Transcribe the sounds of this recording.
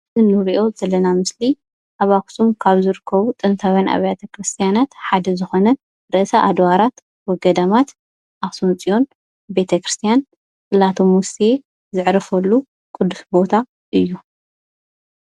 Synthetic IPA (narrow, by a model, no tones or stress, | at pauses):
ɨnːɨɾiʔo̞zɐlːɐnamɨsli | ʔaβaksumkʰaβzɨɾɨkʰːɐβut̪ʼɨnt̪ʰawjanʔa̰βjat̪ʰɐkɾɨst̪ʰijanat̪ħad̪ɐzɨxo̞nɐ | ɾɨʔsaʔad̪waɾat̪ | wɔɡɐd̪amat̪ | ʔasunt͡sʼijo̞n | be̞t̪ʰɐkɾɨst̪ʰijan | kʼɨlat̪ʰomusie | zɨʕɾɐfɐlːu | kʼɨd̪ːusbo̞t̪ʰa | ʔɨjːu